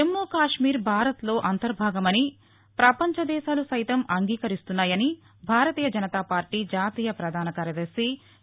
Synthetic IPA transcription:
emːoːkaːʂmiːɾbʱaːɾɐt̪lo̞ːʔɐnt̪ɐɾbʱaːɡɐmɐni | pɾɐpɐɲt͡ʃɐd̪ɛːʃaːlusɐjt̪ɐmʔɐŋɡiːkɐɾist̪unːaːjɐni | bʱaːɾɐt̪iːjɐd͡ʒɐnɐt̪aːpaːɾʈiːd͡ʒaːt̪iːjɐpɾɐd̪ʱaːnɐkaːɾjɐd̪ɐɾsi

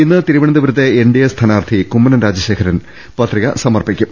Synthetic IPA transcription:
inːɨt̪iɾuʋɐɳɐnd̪iʋɐɾɐt̪ːe̞eɳɖijɐst̪ʰɐnaːrt̪ʰikumːɐnɐnɾaːd͡ʑɐɕe̞ːkʰɐɾɐn | pɐt̪riɣɐsɐmɐrpikʲːum

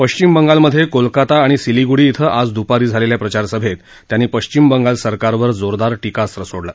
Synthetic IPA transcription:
pəɕt͡ɕimbəŋɡalməd̪ʱːjekolkat̪aːɽ̃isiliɡuɽiːt̪ʰəʔad͡zd̪upaɾiːd͡zʱaleljapɾət͡ɕaɾsəbʱet̪ːjaniːpəɕt͡ɕimbəŋɡalsəɾkaɾʋəɾd͡zoɾd̪aɾʈikasɾəsoɽla

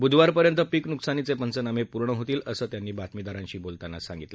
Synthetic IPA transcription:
bud̪ʱʋaɾpəɾjənt̪əpiknuksanit͡sepənt͡sənamepuɾɳəɦot̪iːləsəːt̪janːiːbat̪mid̪aɾãɲɕiːbolt̪anasa̰ŋɡit̪lə

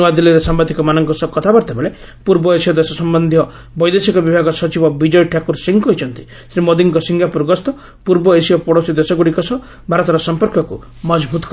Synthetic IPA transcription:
ad̪iliɾesambad̪ʱikɔmanɔŋkɔsɔkːɔt̪ʰabɔɾt̪ʰebeɭe | puɾbɔesiɔd̪esɔsɔmbɔnd̪ʱjɔ | bɔjd̪esikɔbibʱaɡɔsɔt͡ʃibɔbid͡ʒɔjʈʰakuɾsiŋkɔɦit͡ʃʰɔnt̪i̥ | sɾimod̪iŋkɔsiŋɡʱapuɾɡɔst̪ɔ | puɾbɔesiɔpɔɽosid̪esɔɡuɽikɔsɔ | bʱaɾɔt̪ɔɾɔsɔmpɔɾkɔkṵ | mɔd͡ʒbʱut̪ɔ̥k

